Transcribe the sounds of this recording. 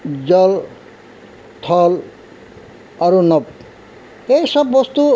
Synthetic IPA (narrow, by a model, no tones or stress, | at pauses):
d͡zɔl | t̪ʰɔl | aɾunɔp̚ | ejsɔbːɔst̪u